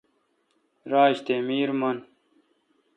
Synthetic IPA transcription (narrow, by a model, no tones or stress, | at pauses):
ɾaːɕt̪emiːɾmɐn